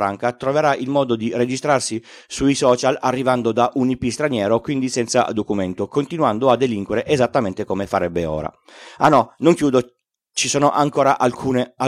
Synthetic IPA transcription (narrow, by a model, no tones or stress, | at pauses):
ɾaŋkat̪ɾoveɾaʔilmɔːd̪od̪ired͡ʒist̪ɾarsi | suisɔːt͡ʃalarːivand̪od̪aʔunipist̪ɾanjɛːɾokwind̪isɛnt̪sa̰d̪okument̪okont̪inwand̪oad̪ːeliŋkweɾeʔezat̪ːament̪ekomefaɾɛbːeo̰ːɾa̰ | anɔnoŋkjuːd̪o | t͡ʃisoːnoʔaŋkoːɾaʔalkʰuːnea